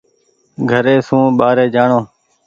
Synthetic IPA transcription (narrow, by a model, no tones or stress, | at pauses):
ɡʱəɾeːsũːɓaːɾeːd͡ʒaːɳoː